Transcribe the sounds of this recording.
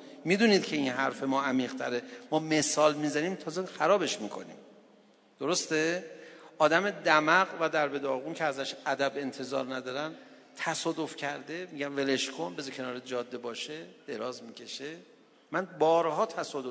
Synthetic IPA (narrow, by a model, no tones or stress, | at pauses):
mid̪uniːd̪cʰeinɦæɾfe̞mɒːæmiːʁt̪ʰæɾe̞mɒːme̞sɒːlmizænimt̪ʰɒːzexæɾɒːbe̞ʃmiːkʰo̞̰nḭːm | d̪̥o̞ɾo̞st̪e̞ʔɒːd̪æme̞d̪æmæɣvæd̪æɾbe̞d̪ɒːɣuncʰeæzæʃæd̪æbe̞nt̪ʰe̞zɒ̰ːɾnæd̪ɒːɾæn | t̪ʰæsɒːd̪o̞fcʰæɾd̪e̞miɟænve̞leʃkʰo̞nbe̞zecʰenɒːɾed͡ʒɒːd̪ːe̞bɒːʃed̪̥e̞ɾɒːzmicʰe̞ʃe | mænbɒːɾɦɒːt̪ʰæsɒːd̪o